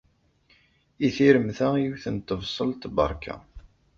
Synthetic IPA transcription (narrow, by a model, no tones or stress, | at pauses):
iθiɾəmθæjwθənt̪ːəvsˤəlt̪bə̰ɾˤkʰæ̰